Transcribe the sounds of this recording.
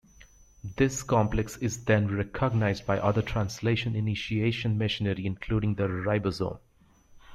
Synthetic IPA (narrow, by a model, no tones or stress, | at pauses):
d̪ɪskɑ̃mplɛksɪzd̪ɛ̃nɾɛkʰəɡnaɪzɖ̚baɪʔʌd̪əʈʰɾãnsleːʃə̃nɪnɪʃieːʃə̃nmɪʃɪnəɾiɪ̃nkʰluːɖɪ̃ŋd̪əɾaɪbəzõ̰ːm